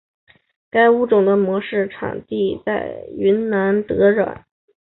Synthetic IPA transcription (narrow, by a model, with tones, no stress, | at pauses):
ka˥ɪu˥ʈ͡ʂʊ˨˩ŋd̪ə˦mwɔ˧˥ʂɻ̩˥˩ʈ͡ʂʰɑ̰˨˩ŋt̪i˥˧t͡sa˥˩ɪy˧˥nna˧˥nt̪ɤ˧˥ɻwa̰˨˩˦n